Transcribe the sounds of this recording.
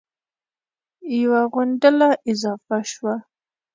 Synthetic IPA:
jawaɣʊɳɖəlaʔɪzɑfaʃwa

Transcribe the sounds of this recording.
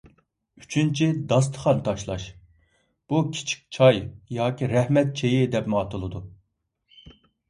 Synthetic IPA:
yt͡ʃʰynt͡ʃʰid̪ɑs̬t̪ʰə̥χɑnt̪ʰɑʃlˠɑ̰ʃ | b̥ukʲʰi̥t͡ʃʰi̥k̚ʲt͡ʃʰɑjjɑːkʲiɾɛhmɛt̪̚t͡ʃʰejɪd̪ɛpmɑːt̪ʰɨlˠɨd̪u

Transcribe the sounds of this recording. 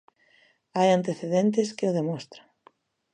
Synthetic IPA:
ajant̪eθeðent̪̬ɪskɪʊðemɔst̪ɾa

